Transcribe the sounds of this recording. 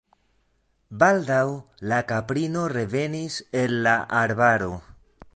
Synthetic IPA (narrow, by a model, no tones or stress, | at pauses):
baldawlakapɾino̞re̞ve̞nise̞lːaʔaɾbaɾo̞